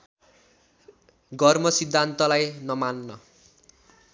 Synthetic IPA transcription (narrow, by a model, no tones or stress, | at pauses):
ɡʌrmʌsid̪ʱːant̪ʌlajnʌmanːʌ